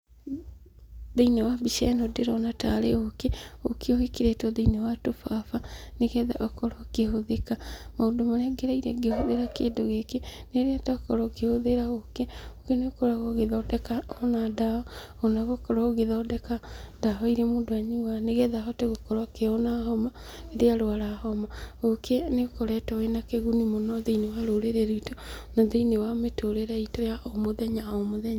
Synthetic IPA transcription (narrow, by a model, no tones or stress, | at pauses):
ðeinewabiʃɛnɔdeɾɔnataɾeokeokeohekeɾetɔðeinewatofafaneɣɛða̰ʔɔkɔɾɔkehoðekamaondomaɾaɡeɾaiɾɛɡehoðeɾakeːndoɣekeneɾeataɔkɔɾɔkehoðeɾaɣokeokenekɔɾaɣoɣeðɔdɛkaonadahɔ | onaɣokɔɾɔɣeðɔdɛkadaɦɔiɾemoːndoaɲiwaneɣɛðaɦɔteɣokɔɾakeonaɦɔma | eɾeaɾoaɾahɔmaɣokenekɔɾɛtɔwenakeɣunimonɔðeinewaɾoɾeɾeɾoitɔnɔðeinewametoɾeɾaitɔjaʔomoðɛɲaomoðɛɲa